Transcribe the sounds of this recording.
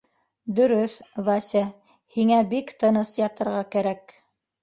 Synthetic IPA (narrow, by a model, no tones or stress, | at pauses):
d̪ɵ̆ɾɵθvɑsʲæ | hiŋæbikt̪ɤ̆nɤsjɑt̪ɤ̆ɾʁɑkæɾæk